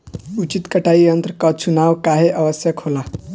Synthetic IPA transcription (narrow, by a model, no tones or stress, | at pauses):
ut͡ɕit̪kəʈaiənt̪ɾəkət͡sʰunawkaɦeʔəʋəsjəkʰhola